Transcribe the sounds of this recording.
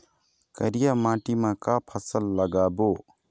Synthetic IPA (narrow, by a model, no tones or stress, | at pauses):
kəɾɪjaːmãːʈimãkaːpʰəsəlːəɡaːboː